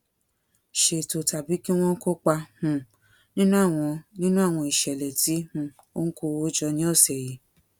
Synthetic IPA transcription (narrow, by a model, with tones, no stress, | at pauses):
ʃe˨to˨ta˨bi˨˦ki˦w̃ɔ̃˦ko˦k͡pa˧hũ˧˨ | nĩ˦nũ˦a˦˨w̃ɔ̃˧nĩ˦nũ˦a˦˨w̃ɔ̃˧i˨ʃɛ˨lɛ˨ti˨˦hũ˧˦ | o˦ŋ̩˦ko˧o˦d͡ʒɔ˧nĩ˦ɔ˦˨sɛ˨ji˨˦